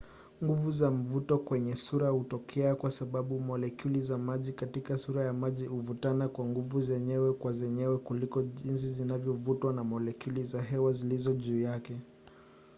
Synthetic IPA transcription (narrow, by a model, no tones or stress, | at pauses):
ŋɡuvuzam̩vutɔkwɛɲɛsuɾahutɔkʰɛakwasaɓaɓumɔlɛkulizamaʄikatikasuɾajamaʄihuvutanakwaŋɡuvuzɛɲɛwɛkwazɛɲɛwɛkulikɔʄins̬izinavjɔvutwanamɔlɛkulizaɦɛwazilizɔʄuːjakɛ